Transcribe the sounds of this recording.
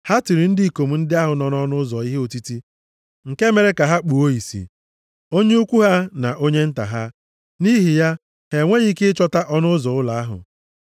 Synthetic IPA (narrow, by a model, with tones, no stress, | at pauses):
ha˦ti˨ɾi˨n̩˦dɪ˦i˨ko˨m̩˨n̩˦dɪ˦a˦ɦʊ˨nɔ˦nɔ˦nʊ˦zɔ˨i˦ɦe˦o˨ti˦ti˦ | ŋ̩˨ke˦me˨ɾe˦ka˨ɦa˦k͡pu˨o˦i˨sḭ˨ | o˦ɲe˦u˦kʷu˦ɦa˦na̰˨ʔo˦ɲe˦n̩˦ta̰˨ɦa˦ | ni˦ɦi˨ja˦ | he˨ŋʷe˦ɣi˦ke˦ɪ˦t͡ʃɔ˦ta˦ʔɔ˦nʊ˦zɔ˨ʊ˦la˨a˦ɦʊ̰˨